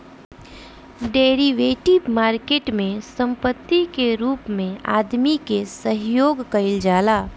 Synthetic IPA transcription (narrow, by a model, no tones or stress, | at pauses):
ɖeːɾiʋeːʈɪbmaːɾkeːʈmẽsə̃mpət̪ːikeɾuːpmẽaːd̪mikesəɦjoːɡkɐɪld͡ʒaːlaː